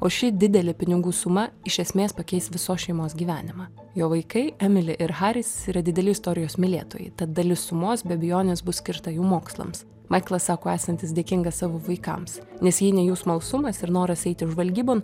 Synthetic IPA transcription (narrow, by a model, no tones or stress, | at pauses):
oːʃʲɪd̪ʲɪd̪ʲɛlʲɪpʲɪnʲɪɡuːsʊmɐɪʃʲɛsʲmʲeːspɐkʲɛɪst̪ʋʲɪsoːsʃʲɛɪmoːsɡʲiːʋʲæːnʲɪmɑː | joːʋɐɪkɐɪæmʲɪlʲɪʔɪɾɦɑːɾʲɪsiːɾɐd̪ʲɪd̪ʲɛlʲɪst̪oːɾʲɪjoːsmʲɪlʲeːt̪o̰ːjɛɪt̪ɐt̪̚d̪ɐlʲɪsʊmoːsbʲɛbʲɪjoːnʲeːsbʊssʲkʲɪɾt̪ɐjuːmoːkslˠɐ̰ms | mʔɐɪklˠɐssɑːkoːæːsɐnʲt̪ʲɪs̬d̪ʲeːkʲɪŋɡɐssɑːʋoːʋɐɪkɐ̰msnʲɛsjiːnʲɛjuːsmɐlˠsʊmɐsɪɾnoːɾɐsɛɪt̪ʲɪʒʋɐlʲɡʲiːboːn